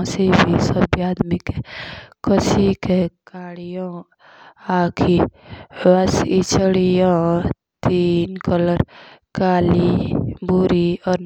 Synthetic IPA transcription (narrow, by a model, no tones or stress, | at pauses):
sebʱisəbjaːd̪mikekəsikekaɽijõ | aːkʰiwasit͡ʃəɽijɔ̃ | t̪inkələɾkaːlibuɾiɔːɾ